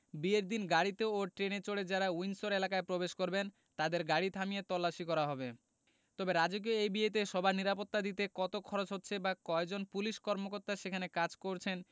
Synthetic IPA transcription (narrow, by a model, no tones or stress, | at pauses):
bieɾd̪inɡaɽit̪eoʈɾenet͡ɕoɽed͡ʑaɾaujnsoɾelakaepɾobeʃkoɾben | t̪ad̪eɾɡaɽit̪ʰamijet̪ɔlːaʃikɔɾaɦɔbe | t̪ɔbeɾad͡ʑok̬ioejbiet̪̬eʃɔbʱaniɾapot̪ːad̪it̪ekɔt̪okʰɔɾot͡ɕɦotːɕʰebakɔed͡ʑonpuliʃkɔɾmokoɾt̪aʃekʰanekad͡ʑkoɾt͡ɕʰen